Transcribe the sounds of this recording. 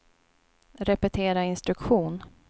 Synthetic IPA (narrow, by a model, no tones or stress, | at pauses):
ɾɛpɛt̪ʰeːɾaɪnst̪ɾɵkɧuːn